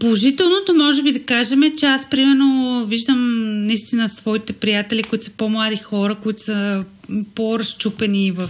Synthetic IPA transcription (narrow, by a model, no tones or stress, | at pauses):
polˠoʒit̪ɛlˠnot̪omɔʒɛbid̪ɐkaʒɛmɛt͡ʃɛaspɾimɛɾnoviʒd̪əmnɐist̪inəsvɔit̪ɛpɾijat̪ɛlikoit̪o̥sə̥pomlˠad̪ixɔɾəkoit̪osə | poɾɐst͡ʃupɛnivɐf